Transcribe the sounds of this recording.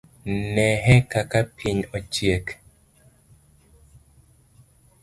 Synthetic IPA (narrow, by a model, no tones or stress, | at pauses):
nɛɦɛkakapʰiɲɔt͡ʃjek